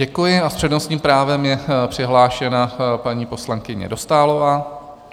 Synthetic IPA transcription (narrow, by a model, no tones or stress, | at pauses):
ɟɛkujɪaspr̥ɛdnost̪ɲiːmpɾaːvɛmjɛpr̥ɪɦlaːʃɛnapaɲiːpo̞slaŋkɪɲɛ̰do̞st̪aːlovaː